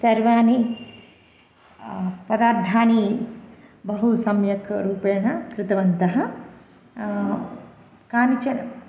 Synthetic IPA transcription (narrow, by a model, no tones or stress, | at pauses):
sɐɾʋaːni | pɐd̪aːɾd̪ʱaːni | bɐɦusɐmjɐkʰɾuːpeːɳɐkɾɪt̪ɐʋɐnt̪ɐɦɐ̆ | kaːnit͡ʃɐnɐ